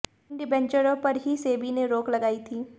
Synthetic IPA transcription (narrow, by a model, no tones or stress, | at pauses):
ɳɖibɛ̃nt͡ʃəɾopɐɾɦiseːbineɾoːklɐɡaːit̪ʰiː